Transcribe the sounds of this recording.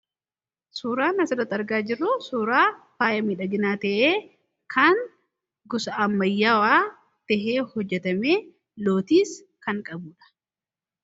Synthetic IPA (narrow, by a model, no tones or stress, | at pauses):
suːɾaːnɐsɐd̪ɐt̪ːɐɾɡaːd͡ʒɪrːʊsuːɾaːfaːjɐmiːᶑɐɡɪnaːt̪ɛʔeː | kʰɐŋ | ɡʊsɐʔɐmːɐjːaːwaː | t̪ɛɦeːhɔd͡ʒːɛt̪ɐmeː | lo̞ːt̪iːs | kɐŋkʼɐbuːᶑɐ̥